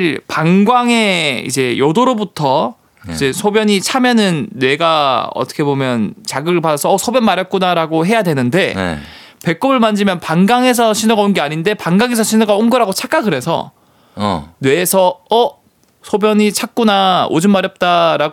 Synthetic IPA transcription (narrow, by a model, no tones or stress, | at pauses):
paŋɡwaŋe̞ḭd͡ʑe̞jʌdoɾobutʰʌ | id͡ʑe̞sʰobjʌɲit͡ɕʰamjʌnɯnːwe̞ɡaʌ̰t͈ʰʌkʰe̞bomjʌnt͡ɕaɡɯbɯɭpadasʰʌːsʰobjʌnmaɾjʌt̚k͈unaɾaɡoɦe̞jadwe̞nɯnde̞̰ | pe̞k͈ʌbɯɭmand͡ʑimjʌnpaŋɡaŋe̞s̬ʰʌɕʰinuɡaonɡeaɲinde̞paŋɡaŋɦe̞sʰʌɕʰinoɡaonɡɯɾɦaɡot͡ɕʰak͈aɡɯɾe̞sʰʌ̰ | nwe̞ːsʰʌʌ | sʰobjʌɲit͡ɕʰak̚k͈unao̰d͡ʑɯnmaɾjʌp̚t͈aɾaɡ